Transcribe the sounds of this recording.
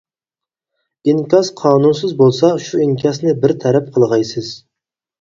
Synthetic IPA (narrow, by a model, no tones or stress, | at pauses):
iŋkʲɑsqʰɑːnunsɨzbolˠsɑʃuiŋkʰʲɑsnɪbɪɾt̪ʰɛɾɛp̚qʰəlˠʁɑjsɨz̥